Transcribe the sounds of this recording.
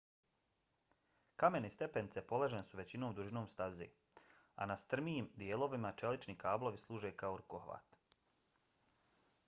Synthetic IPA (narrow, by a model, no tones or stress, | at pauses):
kame̞nest̪e̞penit̪se̞po̞leʒenesuʋe̞t͡ɕinoːmd̪uʒinoːmst̪azḛː | a̰nast̪r̩miiːmd̪jeːlo̞ʋimat͡ʃe̞lit͡ʃnikaːblˠo̞ʋislˠuːʒe̞kaoɾukohʋa̰ːt̪